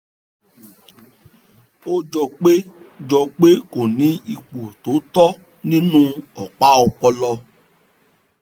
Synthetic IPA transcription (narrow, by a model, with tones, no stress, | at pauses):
o˦d͡ʒɔ˧k͡pe˦d͡ʒɔ˧k͡pe˦ko˨nĩ˨˦i˧k͡po˨to˨˦tɔ˦ | nĩ˦nũ˦ɔ˨k͡pa˦ɔ˧k͡pɔ˧lɔ˧